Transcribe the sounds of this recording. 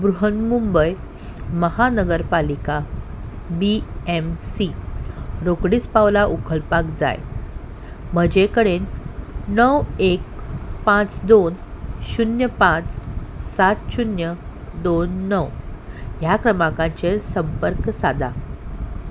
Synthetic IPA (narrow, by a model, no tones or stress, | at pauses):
bɾuɦənmumbəj | məhanəɡəɾpalika | biemsi | ɾokɽiːt͡spaʋlaʔukəlpakd͡za̰j | m̤əd͡ʑekəɽenː | əwek̚pãt͡sd̪onɕunjəpãt͡ssat̪ɕunjəd̪onːəwɦjakɾəmãkãɲt͡ɕesəmpəɾksad̪ʱa̰